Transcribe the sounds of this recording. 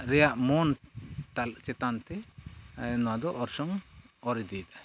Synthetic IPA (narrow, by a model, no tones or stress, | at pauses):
ɾɛjaʔmɔnt̪alt͡ʃɛt̪ant̪ɛ | nɔwad̪ɔʔɔɾsɔŋ | ɔɾid̪it̪a